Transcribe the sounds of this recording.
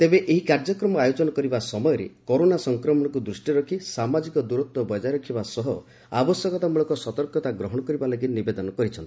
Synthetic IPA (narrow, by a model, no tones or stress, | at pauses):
t̪ebeʔeɦikaɾd͡ʒɔkɾɔmɔajod͡ʒɔnɔkɔɾibasɔmɔjɔɾḛkoɾonasɔŋkɾɔmɔɽ̃ɔkud̪ɾusʈiɾɔkʰisamad͡ʒikɔd̪uɾɔt̪wɔbɔjd͡ʒaɾɔkʰibasɔɦɔ | a̰bɔsjɔkɔt̪amuɭɔkɔsɔt̪ɔɾkɔt̪aɡɾɔɦɔɽ̃ɔkɔɾibalaɡinibed̪ɔnɔkɔɾit͡ʃʰɔni